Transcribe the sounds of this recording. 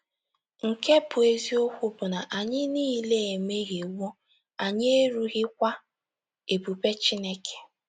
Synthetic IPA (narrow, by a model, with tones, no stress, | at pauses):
ŋ̩˨ke˦pʊ˨e˨zi˦o˦kʷʊ˦bʊ˨na˨ʔa˨ɲɪ˦niː˦le˦e˨me˦ɣe˨wo˦ | a˨ɲɪ˦e˦ɾu˦ɣɪ˦k̚ʷa˦ | e˨pu˨pe˦t͡ʃi˦ne˦kʰe̥˨